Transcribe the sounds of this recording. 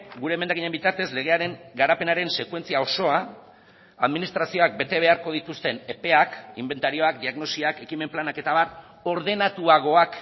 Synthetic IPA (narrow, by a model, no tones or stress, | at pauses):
ɡuɾe̞ːmend̪aɣiɲe̞mbit̪aɾt̪e̞zle̞ɣ̞e̞aɾe̞ŋɡaɾape̞naɾe̞nse̞kwe̞nt͡siao̞so̞a | aðminist̪ɾasio̞ak̚be̞t̪e̞β̞e̞aɾko̞ð̞it̪ust̪e̞ne̞pe̞akimbe̞nt̪aɾio̞ak̚d̪iaɣno̞siake̞kime̞mplanake̞t̪aβar | o̞ɾðe̞nat̪uaɣ̞o̞ak